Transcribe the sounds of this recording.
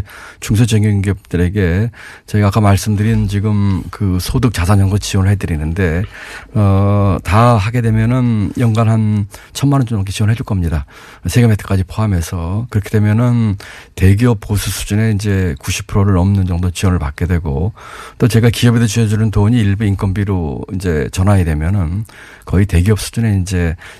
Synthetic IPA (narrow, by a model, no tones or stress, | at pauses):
t͡ɕuŋs̬ʰʌt͡ɕeŋiŋɡiʌp̚t͈ɯɾe̞ɡe̞t͡ɕeɡak͈amaɭs͈ɯmdɯɾint͡ɕiɡɯmkɯsʰodɯk̚t͡ɕ͈asʰaɲʌŋɡot͡ɕiwʌnɯɭɦedɯɾinɯnde̞ʌtaɦaɡe̞dwe̞mjʌnɯnjʌŋɡanɦant͡ɕʰʌnmanʌnt͡ɕomak̬ʰeɕiwʌnɭɦed͡ʑuɭk͈ʌmɲida | sʰeɡemetʰɯ̥k͈ad͡ʑipʰoamɦe̞sʰʌkɯɾʌkʰedwe̞mjʌnɯnte̞ɡiʌp̚ʰːosʰusʰu̥d͡ʑune̞ind͡ʑe̞kuɕʰi̥pʰuɾoɾɯɾʌmnɯnd͡ʑʌŋdot͡ɕiwʌnɯɭpak͈e̞dwe̞ɡot͈ot͡ɕe̞ɡakiʌbed̬et͡ɕued͡ʑunɯntoɲiːɭbuink͈ʰʌnbiɾoind͡ʑe̞t͡ɕʌnaɡedwe̞mjʌnɯn | kʌite̞ɡiʌp̚s͈ʰu̥d͡ʑune̞ind͡ʑe̞